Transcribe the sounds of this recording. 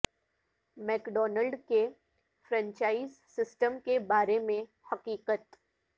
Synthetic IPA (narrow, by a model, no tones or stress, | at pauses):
mɛːkɖɔːnəlɖke | fʰɾə̃ɲt͡ʃaːizsɪsʈəmkebaːɾemẽ | hɐqiːqət̪